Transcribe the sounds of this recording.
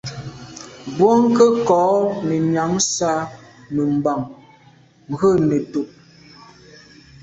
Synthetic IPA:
bwo˦ŋ˦kə˦kɔː˨˦ne˨mja˨˦ŋsa˦mə˨m˨ba˨ŋ | ŋ̩˨ɣə˦˨ne˨to˨ʔ

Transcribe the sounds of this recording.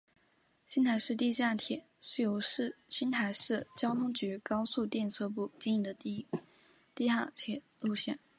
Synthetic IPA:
ɕi˥nt̪ʰa˧˥ɪʂɻ̩˥˧t̪i˥˧ɕa˥˩t̪ʰjɛ˨˩˦ | ʂɻ̩˥˩jo˧˥ʊʂɻ̩˥˩ɕi˥nt̪ʰa˧˥ɪʂɻ̩˥˩t͡ɕjɑ˥ʊt̪ʰʊ˥ŋt͡ɕy˧˥kɑ˥ʊsu˥˧t̪jɛ˥˧nt͡sʰɤ˥˧p̬u˥˩t͡ɕi˥ni˥˩d̪ə˩t̪i˥˧ | t̪i˥˧ɕa̰˥˧t̪ʰjɛ˨˩ | lu˥˧ɕjɛ˥˩n

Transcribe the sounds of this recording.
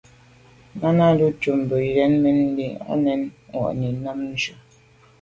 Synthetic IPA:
na˦na˦du˦t͡ʃu˨m˨bə˨i˨ɾɛ˦nmɛ˦n˦di˦a̰˦nɛ˦nŋɔ̰˨ʔni˨na˦mn̩˦d͡ʒə˨

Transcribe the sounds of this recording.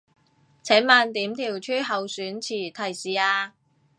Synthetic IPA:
t͡sʰɛː˨˥nmaː˨˧nt̪iː˨˥mt̪ʰiː˨˩wt͡ʃʰyː˥ɦɐ˨wsyː˨˥nt͡sʰiː˨˩t̪ʰɐ˨˩jsiː˨˩aː˧

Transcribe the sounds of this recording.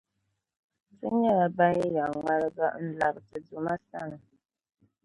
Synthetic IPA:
sɨ˦ɲɛ˦la˨ba˦ni˦ja˨ŋa˦ɾɨ˦ɡa˦n̩˦la˨bɨ˨tɨ˨du˨ma˦sa˦ŋɨ˨

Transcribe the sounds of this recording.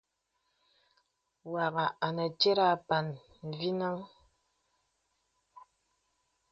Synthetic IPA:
wa˨ɣa˨a˨nə˨t͡ʃe˦ɾa˦˨pa˨n | m̩˨vi˦na˦ŋ

